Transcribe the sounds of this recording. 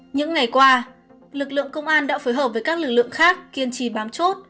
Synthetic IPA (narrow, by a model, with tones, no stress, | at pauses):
ɲɨ̰˧˥ŋːa˨˩jkwaː˧ | lɨ˨˩k̚lɨ̰˧˨əŋkə˧wŋ͡mʔaː˧nɗa̰ː˧˥foː˨˦jɦəː˨˩p̚vəː˨˦jkaː˦˥k̚lɨ˨˩k̚lɨ̰˧˨əŋxaː˦˥k̚ki˧ənt͡ɕi˧˩ɓaː˨˦mt͡ɕo˦˥t̚